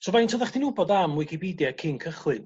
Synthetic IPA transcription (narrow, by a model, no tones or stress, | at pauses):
sɔvajntʰoːðaχd̥inʊbɔdamːwɨjkʰibidjɛakʰɪŋkʰəχwɨn